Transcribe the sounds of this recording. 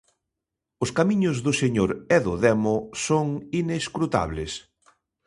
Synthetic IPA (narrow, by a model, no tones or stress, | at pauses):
ʊskamiɲʊzðʊseɲoɾɛðʊðɛmʊsoŋineskɾut̪a̰βlḛs